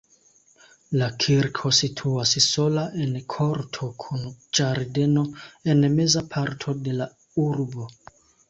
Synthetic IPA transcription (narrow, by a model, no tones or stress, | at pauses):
lakʰiɾkʰo̞sitʰuasso̞laʔenkʰo̞ɾtʰo̞kʰund͡ʒaɾde̞no̞e̞nme̞zapʰaɾtʰo̞de̞la | uɾbo̞